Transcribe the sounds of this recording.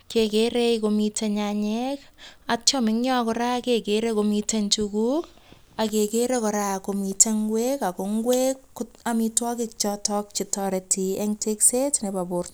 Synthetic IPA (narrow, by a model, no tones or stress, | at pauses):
kekeɾejkomiteɲaɲekat͡ʃɔmɪŋɲɔkɔɾakekeɾekomitent͡ʃukuk̚ | akekeɾekɔɾakomiteŋɡwekakoŋɡwekːʊamitwɔkɪk̚t͡ʃɔtɔk̚t͡ʃitɔɾetieŋteksetnebabʊrt